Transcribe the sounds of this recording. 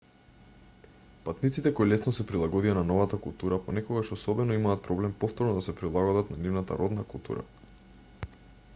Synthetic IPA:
pat̪nit̪sit̪ɛkɔjlɛsnɔsɛpɾilˠaɡɔd̪ijananɔvat̪akulˠt̪uɾapɔnɛkɔɡaʃɔsɔbɛnɔimaːt̪̚pɾɔblɛmpɔft̪ɔɾnɔd̪asɛpɾilˠaɡɔd̪at̪nanivnat̪a̰ɾɔd̪nakulˠt̪ṵɾa̰

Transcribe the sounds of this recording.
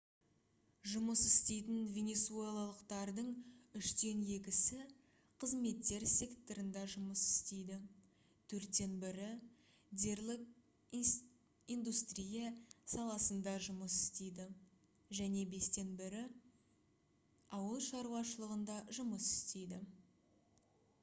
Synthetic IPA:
ʒʊməsɪst̪e̞jt̪ɪnvʲe̞ne̞sue̞lˠalˠəqt̪ɑɾd̪əɴʏʃt̪e̞nje̞k̬ʲɪsɪ | qʰəzme̞t̪ːe̞ɾsʲe̞kt̪oɾənd̪ɑʒʊməsɪ̥st̪e̞jd̪ɪ | t̪ʰɵɾt̪ːe̞nbɪɾɪ | d̪e̞ɾlʲˠɪk̚ | ind̪ust̪rijesɑlˠɑsənd̪ɑʒʊməsɪ̥st̪e̞jd̪ɪ | ʒæne̞be̞st̪e̞nbɪɾɪ | ɑwəlˠʃɑɾuwɑʃəlˠəʁənd̪ɑʒʊməsɪ̥st̪e̞jd̪ɪ

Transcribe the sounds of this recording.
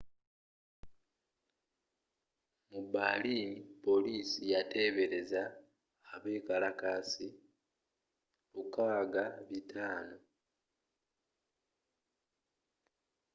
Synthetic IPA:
mubːalipo̞liːsijate̞ːβe̞ɾe̞zaː | βe̞ːkalakaːsi | βukaːɡaβitʰaːno̞

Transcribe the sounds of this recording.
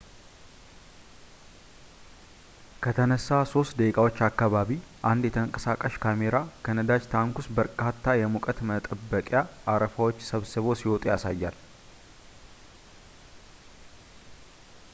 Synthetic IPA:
kʰət̪ʰənəsːaso̞st̪d̪əkʼawo̞t͡ʃːakːaβaβiʔand̪jɛt̪ʰəŋkʼəsakʼaʃkʰame̞ɾakʰənəd̪ad͡ʒt̪ʰaŋkusbəɾkʼat̪ʰːajɛmukʼət̪mət̪ʼəbːəkʼjaʔːɾəfawot͡ʃːsəβsɨβo̞siwot̪ʼjasajːal

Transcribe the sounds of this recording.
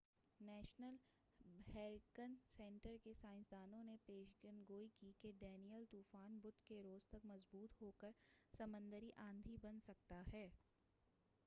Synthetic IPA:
nɛːʃnəl | hɛːɾkənsɛ̃ɳʈəɾkesãːɪ̃nsd̪aːnõnepeːʃɡənɡoːikikeɖɛːnijəlt̪uːfaːnbʊd̪ʱkeɾoːzt̪ɐkmɐzbuːt̪ɦoːkəɾsɐmə̃nd̪əɾiʔãːnd̪ʱibɐnsɐk̚t̪aɦɛː

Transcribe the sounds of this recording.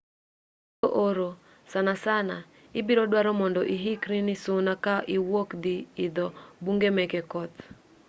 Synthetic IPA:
oʔoɾo | sanasana | ɪbiɾɔdwaɾɔmɔndɔʔiɦikɾinisʊnakaʔiwokd̪iːd̪ɔbuŋɡemɛkɛkɔt̪

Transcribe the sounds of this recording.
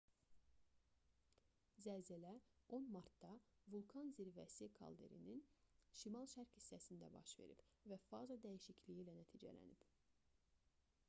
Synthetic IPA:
zæzælæo̞nmɑɾt̪d̪ɑvulˠkʰɑnziɾvæsikʰɑ̰lˠd̪eɾḭninʃimɑlˠʃæɾkhisːæsind̪æbɑ̰ʃve̞̰ɾḭb̥væfɑzɑd̪æjiʃiclijilænæt̪ʰiːd͡ʒæ̰læ̰nib̥

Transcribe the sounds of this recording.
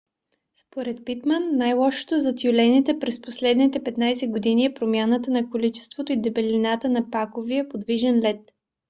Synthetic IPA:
spoɾɛt̪̚pit̪mənːajlˠɔʃo̥t̪ozɐt̪julɛnit̪ɛpɾɛsposlɛd̪nit̪ɛpɛt̪najsɛɡod̪iniɛpɾomʲjanət̪ənɐkolit͡ʃɛ̥st̪vot̪oid̪ɛbɛlinat̪ənɐpakoviɛpod̪viʒɛnlɛt̪

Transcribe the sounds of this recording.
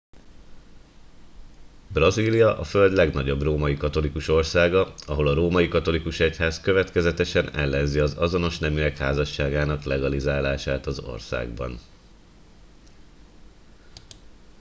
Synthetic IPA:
brɒziːlijɒʔɒfø̞ld̪lɛɡnɒɟo̞broːmɒjikɒt̪o̞likuʃo̞rsaːɡɒɒɦo̞lɒɾoːmɒjikɒt̪o̞likuʃɛchaːskøvɛt̪kɛzɛt̪ɛʃɛnɛlːɛnziɒzɒzo̞no̞ʃnɛmyɛkhaːzɒʃːaːɡaːnɒklɛɡɒlizaːlaːʃaːt̪ɒzo̞̰rsa̰ːɡ̚bɒ̰n

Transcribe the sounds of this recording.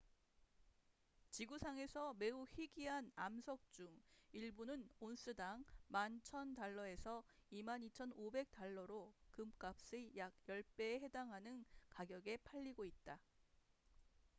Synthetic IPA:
t͡ɕiɡusʰaŋe̞sʰʌme̞uçiɡiɦanamsʰʌk̚t͡ɕ͈uŋiɭbunɯnons͈ʰɯdaŋmant͡ɕʰʌntaɭːʌe̞sʰʌimanit͡ɕʰʌnobe̞k̚t͈aɭːʌɾokɯmk͈ap̚s͈ɯjaɡ̚jʌɭp͈e̞ɦe̞daŋɦanɯnkaɡjʌɡe̞pʰaʎːiɡoit̚t͈a

